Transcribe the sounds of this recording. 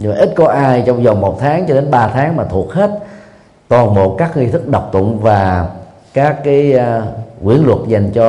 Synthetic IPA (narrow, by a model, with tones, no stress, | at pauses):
ɲː˧˨˩ʔi˦˥t̚kɔ˨˦ʔaː˧jt͡ɕɔ˧wŋ͡mzə˨˩mo˨˩t̚t̪ʰaː˨˦ŋt͡ɕɔ˧ɗe˨˦nɓaː˧t̪ʰaː˨˦ŋmaː˨˩t̪ʰu˨˩ək̚he˦˥t̚ | t̪waː˨˩nɓo̰˨˩kaː˦˥k̚ŋi˧t̪ʰɨ˦˥k̚ɗə˨˩wk͡p̚t̪ʊ̰˧˨ŋ͡mvaː˨˩ | kaː˦˥kːaː˨˦jkwḭ˨˧˩ənlwə˨˩t̚za˨˩jŋ̟t͡ɕɔ˧